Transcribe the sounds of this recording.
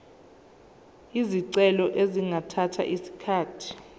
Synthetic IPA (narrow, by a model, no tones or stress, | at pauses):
iziǀɛlɔʔeziŋʱatʰatʰa̰ʔisi̥kʰaːtʰi̥